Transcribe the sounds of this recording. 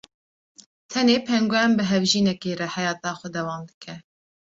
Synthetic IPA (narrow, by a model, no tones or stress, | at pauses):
t̪ʰɛneːpʰɛŋɡʷɛmbɨɦɛvʒiːnɛkeːɾɛhɛjɑːt̪ɑːxʷɛd̪ɛwɑːmd̪ɨ̥kʰɛ